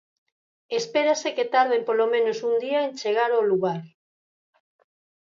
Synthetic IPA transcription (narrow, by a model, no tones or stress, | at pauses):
espeɾaseket̪aɾð̞empolomẽnosund̪iaent͡ʃeɣ̞aɾoluɣaɾ